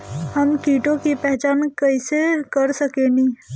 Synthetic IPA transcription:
həmkiːʈõkepɛɦt͡ʃaːnkəɪsekəɾsəkeni

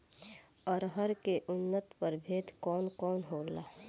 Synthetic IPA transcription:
ɔːɾɦəɾkeʔʊnːət̪pəɾbʱeːt̪kɔːnkɔːnɦoːlaː

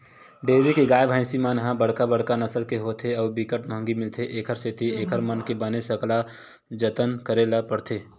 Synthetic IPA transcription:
ɖeːbikeɡaːjbʱãɪ̃simaːnɦãbəɽ̤kabəɽkanəsəlkeɦoːt̪ʰeɔːbikəʈmə̃ŋɡimɪlt̪ʰeʔeːkʰəɾset̪ʰieːkʰəɾmənkebənesəkla | d͡ʒət̪ənkəɾelapəɽt̪ʰeː

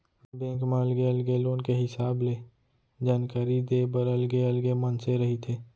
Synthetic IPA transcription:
bẽːkmaːlɡeəlɡelõːnkeɦɪsaːble | d͡ʒaːnkaːɾid̪ebəɾəlɡeəlɡemənseɾəɦit̪ʰeː

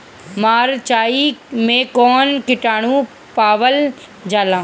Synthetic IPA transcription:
maːɾt͡ʃaːimẽkɔːnkɪʈaːɽ̃ũ | paːʋəl | d͡ʒaːlãː

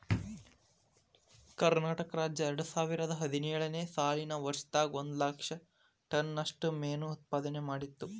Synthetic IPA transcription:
kɐɾnaːʈɐkɐɾaːd͡ʒjɐɛɾɐɽusaːʋiɾɐd̪ɐɦɐd̪inɛːɭɐne̞ːsaːlinɐʋɐɾʂt̪aːɡond̪lakʂɐ | ʈɐnːɐʂʈumeːnuːt̪̚paːd̪ɐnemaːɽit̪ːu

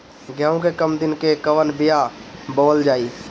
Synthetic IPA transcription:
ɡʱjãːõkekəmd̪ɪnkekəʋənbɪjaboːld͡ʒaːiː

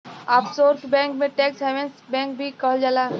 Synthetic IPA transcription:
aːpsoːɾʈbɛ̃ːŋkmẽʈɛːksɛʋẽnsbɛ̃ːŋk̚bʱikəɦəld͡ʒalaː

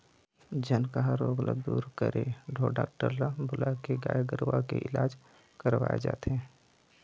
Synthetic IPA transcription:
d͡ʒənkaɦaɾoːɡlad̪ṵːɾkəɾeɖʱoɖa̰ːkʈəɾlabʱʊlakeɡa̰ːjɡəɾʋakḛʔɪlaːd͡ʒ | kəɾʋa̰ːjḛd͡ʒa̰ːt̪eɦɛ̃ː

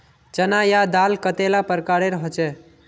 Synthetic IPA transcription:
d͡ʒənajad̪alkət̪elapəɾkaɾeɾəɦɔt͡ʃɛ

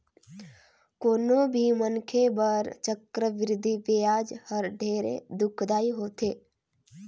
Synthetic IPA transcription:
koːnõbʱimənkʰebəɾt͡ʃəkɾəʋɪɾɪd̪ʱiʋejaːd͡ʒhəɾɖʱeːɾḛd̪ʊkʰd̪aːiɦoːt̪eː

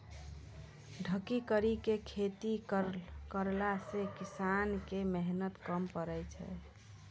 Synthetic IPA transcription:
ɖʱəkikəɾikekʰet̪i | kəɾlasekisankemɛɦnət̪kəmpəɾəjt͡ʃʰɛ̰

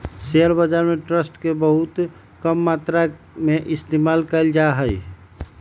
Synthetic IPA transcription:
seəɾbəd͡ʒaɾmeʈɾəsʈkebəɦut̪ | kəmːat̪ɾa | meʔɪst̪emalkəɪld͡ʒaɦəj

